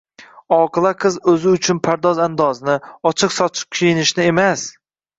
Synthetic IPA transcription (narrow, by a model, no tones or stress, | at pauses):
ɒqʰɨlˠaqʰɨzɵzɪʊt͡ʃʰʊnpʰaɾd̪ɒzand̪ɒznɪɒt͡ʃʰɨqsɒt͡ʃʰɪ̥p̚kʲʰijɪnɪʃnɪe̞mas